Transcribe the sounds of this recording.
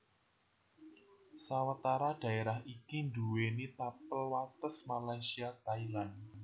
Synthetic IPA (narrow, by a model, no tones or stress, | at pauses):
sawat̪aɾad̥a̤eɾahikinduwenit̪apəlwat̪əsmalajsiat̪ailan